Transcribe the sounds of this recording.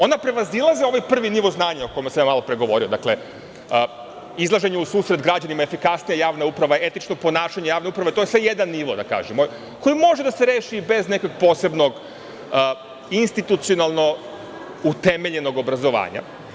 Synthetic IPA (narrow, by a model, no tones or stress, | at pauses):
o̞napɾe̞ʋazilˠazio̞ʋajpr̩ʋiniʋo̞znaːɲaoko̞jmasamjamalopɾeɡo̞ʋo̞ɾio̞d̪a̰kle̞ | izlˠaʒe̞ɲɛusuːsɾe̞d̪ɡɾad͡ʑanimaefikasnijajaːʋnaupɾaʋaeet̪it͡ʃnopo̞naːʃaɲejaːʋne̞upɾaʋet̪o̞jesʋejed̪anːiʋo̞d̪aka̰ːʒemo | ko̞jimo̞ʒed̪ase̞ɾeːʃibe̞zne̞ko̞ɡpo̞ːse̞bno̞ɡ | inst̪it̪ut̪sio̞nalˠno̞ | ut̪e̞me̞ʎe̞no̞ɡo̞bɾazo̞ʋa̰ːɲa̰